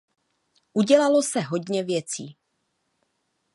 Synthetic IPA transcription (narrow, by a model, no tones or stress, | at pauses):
ʔuɟɛlalo̞sɛɦo̞dɲɛvjɛt͡siː